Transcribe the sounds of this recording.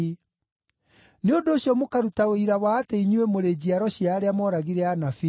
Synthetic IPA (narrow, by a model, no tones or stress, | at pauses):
neondoːɕjɔmokaɾutaoiɾawaːteiɲuwemoɾed͡ʑiaɾɔɕiaːɾeamɔːɾaɣiɾɛanafi